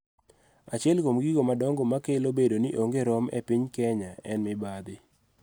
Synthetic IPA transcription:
at͡ʃɪɛlkomɡiɡomadɔŋɡɔmakelobedoniʔoŋɡeɾɔmɛ̰piɲkɛɲaɛnmɪbad̪ɪ

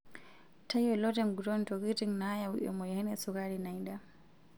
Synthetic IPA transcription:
tajɔlɔtɛnɡutɔntɔɡitiŋnajawṵʔɔ̰mɔjhɛnɛsukaɾinajda

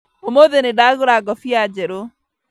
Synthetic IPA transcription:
omoðenedaɣoɾaɡɔfiad͡ʒɛɾo

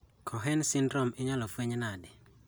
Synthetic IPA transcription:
kʰɔɦɛnsɪndɾɔmɪɲalɔfweɲnadɪ

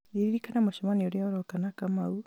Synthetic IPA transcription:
ɾiɾiɾikanamoʃɔmanioɾiɔɾɔkanakamau

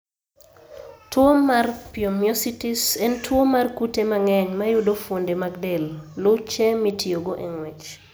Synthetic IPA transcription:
twomarpjomjositisɛntʰwomarkutemaŋɛɲmajʊdofondemaɡdɛlːʊt͡ʃɛmitʰioɡoʔeŋwɛt͡ʃ

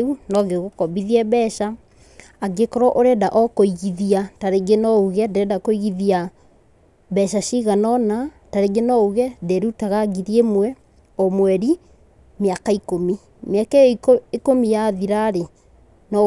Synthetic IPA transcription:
unɔɣeɣokɔβiðiɛβɛʃa | aɡekɔɾɔʔoɾɛdaʔɔkoiɣiðiataɾeɡenɔuɣɛdɛdakoiɣiðia | bɛʃaʃiɣanɔna | taɾeɡenɔuɣɛdeɾutaɣaɡiɾiemwɛ | ɔmwɛɾi | mjakaikomi | mjakaekomijaðiɾaɾe | nɔ

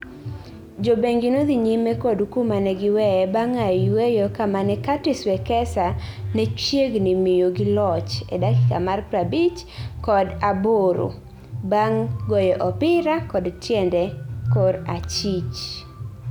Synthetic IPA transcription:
d͡ʒobeŋɡɪnod̪iɲimɛkɔdukumanɛɡɪwɛɛbaŋawejɔkamanɛkatɪswɛkɛsanɛt͡ʃjeɡnɪmɪjoɡɪlɔt͡ʃɛ̰dakɪkamarpɾabit͡ʃkɔdaboɾo̰ | baŋɡɔjɔʔɔpɪɾakɔdtjɛndɛkɔɾat͡ʃit͡ʃ

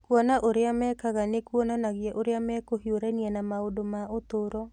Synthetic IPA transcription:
kwɔnaʔoɾeamɛːkaɣanekwɔnanaɣjɛʔoɾeamɛkohioɾɛniɛnamaodomaotoɾɔ

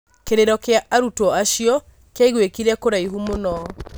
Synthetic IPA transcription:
keɾeɾɔkeaʔaɾutɔaʃiɔ | kjaiɣwekiɾɛkoɾaiɦumonɔ

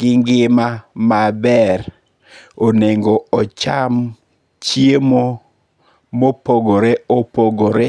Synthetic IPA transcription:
ɡɪŋɡɪmamabɛɾ | oneŋɡoɔt͡ʃam | t͡ʃiemo | mopoɡoɾeopoɡoɾe

